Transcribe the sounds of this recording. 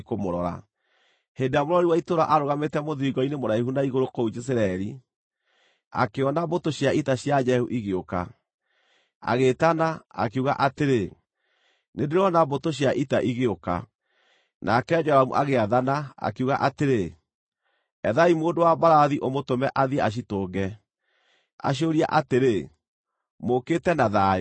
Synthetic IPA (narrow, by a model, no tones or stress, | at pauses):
komoɾɔɾa̰ | hendejamoɾɔɾiwaitoɾaʔaɾoɣametɛmoðiiɡɔinemoɾaihunaiɣoɾokoud͡ʒes̬eɾaɛɾi | a̰keɔnabotoɕjaʔitaɕjad͡ʒɛhuʔiɣeoka̰ | a̰ɣetanaa̰keuɣaʔateɾe | nendeɾɔnabotoɕ̬jaʔitaʔiɣeoka̰ | nʔakɛd͡ʒɔwamṵʔaɣeaðanaa̰keuɣaʔateɾe | ɛðaimoːndowabaɾaðiʔomotomɛʔaðiaɕ̬itoːɡɛ | a̰ɕ̬ioɾia̰ʔateɾe | moketɛnaða